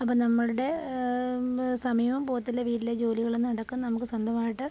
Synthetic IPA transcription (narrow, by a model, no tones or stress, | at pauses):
ɐp̬ːoːnɐmːɐɻuɽe̞ | sɐmiːʋɐmpo̞ːt̪ːilːɐʋiːɾiled͡ʑo̞ːliɣɐɭonːnɐɽɐkːumnːɐnɐmuk̬ːɨsɐnd̪ʱɐmaːjiʈːɨ